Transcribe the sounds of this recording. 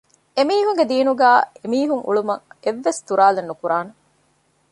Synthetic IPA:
emiːɦuŋɡed̪iːnuɡæːemiːɦuŋʔṵɭumɐ̰ŋeʋːest̪uɾaːlenːukuɾaːne

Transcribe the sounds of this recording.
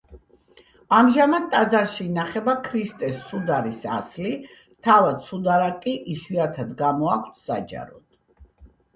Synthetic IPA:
amʒamad̪̚t̪ʼad̪zaɾʃiːnaχɛbakʰɾist̪ʼɛsːud̪aɾisa̰sli | t̪ʰavad̪sud̪aɾakʼiʔiʃwiat̪ʰad̪ɡamɔakʷʰt̪ʰsad͡ʒʼa̰ɾɔ̰t̪

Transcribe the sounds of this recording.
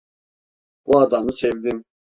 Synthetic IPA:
buad̪anɯsɛvd̪im

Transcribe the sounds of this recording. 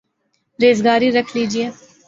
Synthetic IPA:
ɾeːzɡaːɾiɾəkʰliːd͡ʒieː

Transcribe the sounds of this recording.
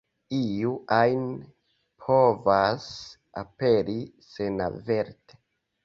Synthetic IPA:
ijuʔajn | pʰo̞vas | a̰pe̞ɾisena̰ve̞ɾte

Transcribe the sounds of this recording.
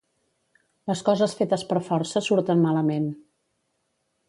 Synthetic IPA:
ləskɔzəsfet̪əspəɾfɔɾsəsuɾt̪ənmaləmen

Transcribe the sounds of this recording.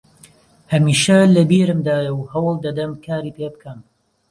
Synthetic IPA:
hɐmiːʃɐlɐbiːɾɨmd̪aːjɐwhɐwɨlˠd̪ɐd̪ɐmkʰaːɾiːpeːbɨkʰɐm

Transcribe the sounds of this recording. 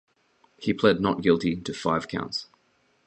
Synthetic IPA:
hipʰl̥ɛdⁿnəʔ̚ɡ̥ɪlˠtitʰəfaɪv̥kʰã̰ʊ̃nts

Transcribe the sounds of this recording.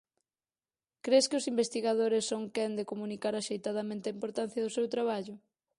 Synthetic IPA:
kɾeskɪʊsimbest̪iɣaðoɾɪsːoŋkɛnd̪ekomunikaɾaʃejt̪aðamẽnt̪eaimpoɾt̪an̟θjɐðʊsewt̪ɾaβ̞aʎʊ

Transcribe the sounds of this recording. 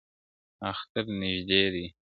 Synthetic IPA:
axt̪əɾnɪʒd̪ed̪i

